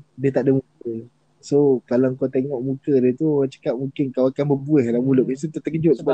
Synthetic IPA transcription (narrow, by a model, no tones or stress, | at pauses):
diət̪aʔdəmukə | sokalaŋkot̪eŋɔʔmukədiət̪uat͡ʃə̥kap̚mũŋkɪnkawakanbəbuɛhlamulʊʔ̚isut̪ət̪əkəd͡ʒʊʔ̪̚səba